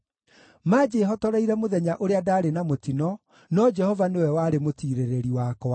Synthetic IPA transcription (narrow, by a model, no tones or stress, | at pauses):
maːd͡ʒeɦɔtɔɾaiɾɛmoðɛɲaʔoɾeadaːɾenamotinɔ | nɔd͡ʒɛhɔvanewɛwaːɾemotiːɾeɾeɾiwakɔa